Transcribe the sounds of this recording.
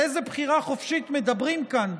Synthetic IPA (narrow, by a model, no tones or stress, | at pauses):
ejzebχiʁaχo̞fʃit̪me̞d̪abʁimkan